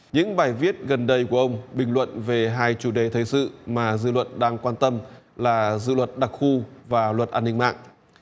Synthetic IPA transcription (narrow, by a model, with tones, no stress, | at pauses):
ɲɨ̰˧˥ŋɓaː˨˩jvi˦˥ət̚ɣə˨˩nɗə˧˩jku˧˩əʔə˧wŋ͡mɓï˨˩ŋ̟lwə̰˧˨nve˨˩ɦaː˧jt͡ɕu˧˩ɗe˨˩t̪ʰə˨˩jsɨ̰˧˨maː˨˩zɨ̰˧˨lwə̰˧˨nɗaː˧ŋkwaː˧nt̪ə˧mlaː˨˩zɨ̰˧˨lwə˨˩t̚ɗa˨˩k̚xu˧vaː˨˩lwə˨˩t̚ʔaː˧nːï˧ŋma̰ː˧˨ŋʔ